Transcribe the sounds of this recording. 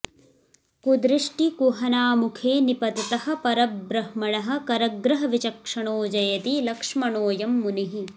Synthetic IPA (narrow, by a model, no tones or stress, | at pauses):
kud̪ɾiʂʈikuɦɐnaːmukʰeːnipɐd̪ɐt̪ɐhɐ̆pɐɾɐbɾɐhmɐɳɐɦɐ̆kɐɾɐɡɾɐɦɐʋit͡ʃɐkʂɐɳoːd͡ʒɐjɐt̪ilɐkʂmɐɳoːjɐmːuniɦi